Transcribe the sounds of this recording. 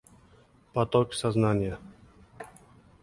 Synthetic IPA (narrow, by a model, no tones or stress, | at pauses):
pɐt̪oksɐznanʲɪjə